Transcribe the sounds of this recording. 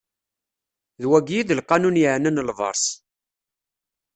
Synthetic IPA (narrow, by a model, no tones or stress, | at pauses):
ðwæɡjiðəlqːɑnunjəʕnənlvə̰ɾˤs